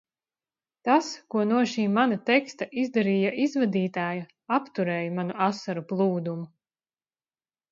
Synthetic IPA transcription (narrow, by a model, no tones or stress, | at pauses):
t̪askuɔnuɔʃiːmanat̪ɛkst̪aʔizd̪aɾiːjaʔizvad̪iːt̪aːju | apt̪uɾɛːjamanuasːaɾuplˠuːd̪umu